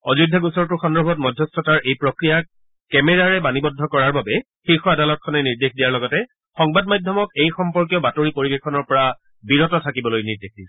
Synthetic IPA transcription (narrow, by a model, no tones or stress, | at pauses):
ɔzudʱaɡusɔɹtʊxɔndɹɔbʱɔt̚mɔdʱjɔstɔtaɹʔejpɹɔkɹija | kɛmɛɹaɹɛbanibɔdʱːɔkɔɹaɹbabɛ | xikxɔadalɔt̚kʰɔnɛniɹdexdijaɹlɔɡɔtɛ | xɔŋbad̚majdʱjɔmɔkejxɔmpɔɹk̬ijɔbatoɹipoɹibexʰɔnɔɹpɔɹa | biɹɔtɔtʰakibɔlojniɹdexdi